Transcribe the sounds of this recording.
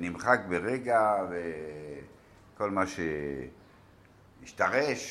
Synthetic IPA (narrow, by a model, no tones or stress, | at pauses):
nimχak̚beʁeɡave | ko̞lmaʃe | iʃtaʁeʃ